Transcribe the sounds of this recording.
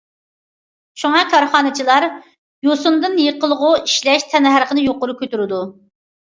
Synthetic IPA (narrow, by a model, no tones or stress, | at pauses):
ʃuŋɑkʰɑɾχɑːnɨt͡ʃʰilˠɑɾ | josund̪ɨnjəqəlˠəʁʊiʃlɛʃt̪ʰɛnɦæɾqʰənɨjoqʊɾukʲʰøt̪yɾɪd̪u